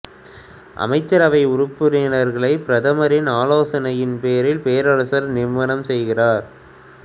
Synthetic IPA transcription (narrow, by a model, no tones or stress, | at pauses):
ʔɐ̰mɐɪt͡ʃːɐɾɐʋɐɪʊɾʊpːɯɾɪnɐɾɣɐɭɐɪpɪɾɐðɐmɐɾɪnaːloːsɐnɐjɪnpeːɐɾɪlpeːɾɐɾɐsɐɾnɪɾʋɐnɐmsɛjɣɪraːɾ